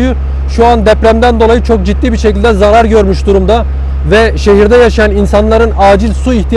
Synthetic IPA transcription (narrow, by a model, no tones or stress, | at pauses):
jy | ʃuand̪ɛpɾæmd̪ænd̪o̞lˠajɯt͡ʃʰo̞k̚d͡ʒit̪ːiːbiɾʃecilʲd̪ɛzaɾaɾɟø̞ɾmyʃd̪uɾumd̪a | vɛʃe̞ɦiɾd̪ɛjaʃajaninsanlˠaɾɯnaːd͡ʒilʲsuiçt̪ʰij